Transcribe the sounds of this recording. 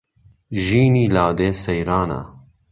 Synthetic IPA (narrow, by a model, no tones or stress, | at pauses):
ʒiːniːlaːd̪eːsɐjɾaːna̰